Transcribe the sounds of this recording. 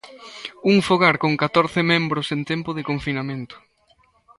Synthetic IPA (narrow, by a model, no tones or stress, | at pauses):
uŋfoɣaɾkoŋkat̪oɾθɪmẽmbɾʊsent̪ɛmpʊðɪkoɱfinamẽnt̪ʊ̥